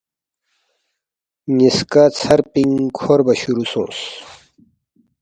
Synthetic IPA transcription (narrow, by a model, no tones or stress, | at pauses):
ɲiskat͡sʰɐɾpiŋkʰoɾbɐɕuɾusõ̰ːs